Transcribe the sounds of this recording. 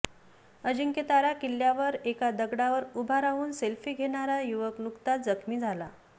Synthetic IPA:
əd͡ʑiŋket̪aɾakilːjaʋəɾekad̪əɡɽaʋəɾubʱaɾaɦuːnselfiːɡʱeɽ̃aɾajuʋəknukt̪ad͡zəkʰmiːd͡zʱala

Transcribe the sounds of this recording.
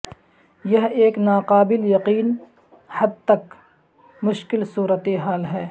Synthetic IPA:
jɐɦeːknaːqaːbɪljɐqiːn | hɐd̪̚t̪ɐk | mʊʃkɪlsuːɾət̪eɦaːlɦɛː

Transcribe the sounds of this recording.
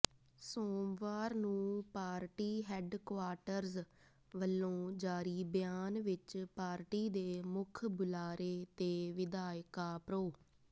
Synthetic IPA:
soːmʋaːɾnũːpaːɾʈiːɦɛːɖkʋaːʈəɾz | ʋəlːõːd͡ʒaːɾiːbjaːnʋɪt͡ʃpaːɾʈiːd̪eːmʊkʰbʊlaːɾeːt̪eːʋɪd̪aːɪkaːpɾoː

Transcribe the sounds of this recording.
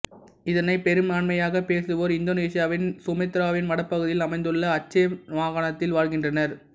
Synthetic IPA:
ɪðɐnɐɪpɛɾɯmaːɳmɐjaːɣɐpeːsɯʋoːɾɪnd̪oːneːsɪjaːʋɪnsʊmɐɛt̪ːɪɾaːʋɪnʋɐɽɐpːɐɣɯðɪjɪlɐmɐɪnd̪ɯɭːɐːt͡ʃːɐʋaːɣaɳɐt̪ːɪlʋaːɻɣɪndrɐnɐɾ

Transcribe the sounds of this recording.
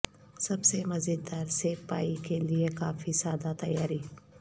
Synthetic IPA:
sɐbsemɐzid̪ːaːɾseːpa̰ːikeliekaːfisaːd̪at̪ɐjaːɾiː

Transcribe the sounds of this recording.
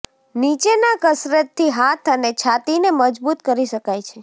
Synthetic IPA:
nit͡ʃenakəsɾət̪ʰːiɦat̪ʰənet͡ʃʰat̪ineməd͡ʒbut̪kəɾiʃəkajt͡ʃʰe

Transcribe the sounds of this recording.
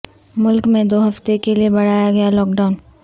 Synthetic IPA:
mʊlkmẽd̪oːɦɐft̪ekeliebɐɽ̤aːjaɡɐjalɔːk̚ɖaʊn

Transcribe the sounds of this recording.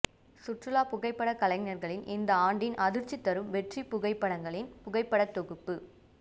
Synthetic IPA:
sʊʈrɯlaːpʊɣɐɪpːɐɽɐkɐlɐɪnɐɾɣɐɭɪnɪnd̪ɐaːɳɖɪnʔɐðɪɾt͡ʃːit̪ːɐɾɯmʋɛʈripʊɣɐɪpːɐɽɐŋɡɐɭɪnpʊɣɐɪpːɐɽɐt̪ːɔɣɯpːɯ

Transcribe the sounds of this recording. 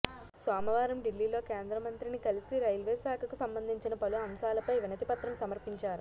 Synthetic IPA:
sʋaːmɐʋaːɾɐmɖilːiːlo̞ːkeːnd̪ɾɐmɐnt̪ɾinikɐlisiɾɐjlʋeːsaːkʰɐkusɐmbɐnd̪ʱiɲt͡ʃinɐpɐluɐmsaːlɐpɐjʋinɐt̪ipɐt̪ɾɐmsɐmɐɾpiɲt͡ʃaːɾu

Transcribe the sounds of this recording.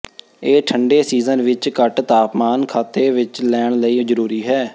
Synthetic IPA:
eːʈʰəɳɖeːsiːzənʋɪt͡ʃkəʈt̪aːpmaːnkʰaːt̪eːʋɪt͡ʃlɛːɳləiːd͡ʒəɾuːɾiːɦɛː

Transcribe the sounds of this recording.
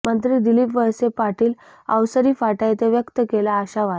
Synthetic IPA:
mənt̪ɾiːd̪ilipʋəɭsepaʈiːl | ə̰wsəɾiːfaʈajt̪eʋjəkt̪əkelaːɕaʋa

